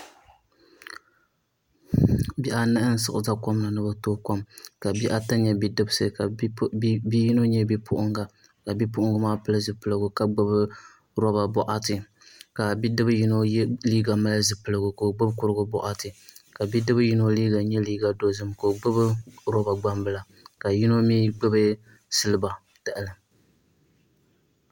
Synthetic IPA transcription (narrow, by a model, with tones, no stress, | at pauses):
bi˦ʔa˦nɨ˦ʔɨ˦n̩˦sɨ˨ʔɨ˨za˦kɔ˦mna˨nɨ˦ba˦toː˦ka˦mka˨bi˦ʔa˦ta˦ɲɲɛ˨bi˦dɨ˦bsɨ˨ka˨˦bi˦ji˦no˦ɲɛ˦bi˦pʰʊ˦ʔʊ˦ŋɡa˨ | ka˨bi˦pʊ˦ʔʊ˦ŋɡa˦maː˦pɨ˦lɨ˦zɨ˨pɨ˨lɨ˨ɡʊ˨ka˨ɡ͡bɨ˦bɨ˦ | ɾɔ˦ba˨bɔ˦ʔa˦tɨ˨ | ka˨bi˦dɨ˦bɨ˦ji˦no˦liː˦ɡa˨ma˦la˦zɨ˨pɨ˨lɨ˨ɡʊ˨ko˨ɡ͡bɨ˦bkʊ˦ɾɨ˦ɡʊ˦bɔ̰˨ʔa˦tɨ˨ka˨bi˦dɨ˦bɨ˦ji˦no˦liː˦ɡa˨ɲɛ˦liː˦ɡa˨do˨zɨ˦mko˨ɡ͡bɨ˦bɨ˦ɾɔ˦ba˨ɡ͡ba˦mbɨ˦la˨ | ka˨ji˦no˦miː˦ɡ͡bɨ˦bɨ˦ | sɨ˦lɨ˦ba˨ | ta˨ʔɨ˨lɨ˨